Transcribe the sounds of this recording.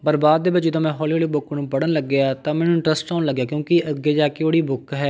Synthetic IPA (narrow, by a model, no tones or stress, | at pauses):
pəɾbaːd̪̚ːeːʋɪt͡ʃd͡ʒɪd̪õːmɛ̃ːɦɔːlioːliːbʊknũːpəɽənləɡːɪjaːt̪ãːmɛ̃ːnũɪ̃ɳʈɾəsʈɖaːnləɡːjaːkjõːkɪəɡeːd͡ʒaːkeoːɽiːbʊkɦɛː